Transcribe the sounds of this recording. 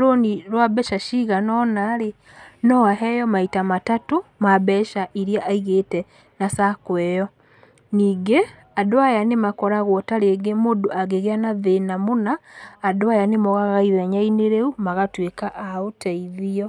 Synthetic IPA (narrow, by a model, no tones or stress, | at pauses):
ɾoniɾwabɛʃaʃiɣanɔnaɾe | nɔaɦɛjɔmaitamatatomabɛʃaʔiɾiaʔaiɣetɛ | nasakwɛjɔ | niːɡe | adoajanemakɔɾaɣwɔtaɾeɡemodoaɣeɣeanaðenamonaːdoajanemɔɣaɣaiðɛɲaineɾeumaɣatwekaʔːotʰaiðiɔ